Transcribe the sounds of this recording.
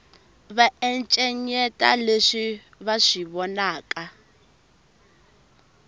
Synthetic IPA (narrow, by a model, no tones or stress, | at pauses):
βaɛnt͡ʃʼɛɲɛtʼa̰leʂi | βaʂiβɔnaːkʼa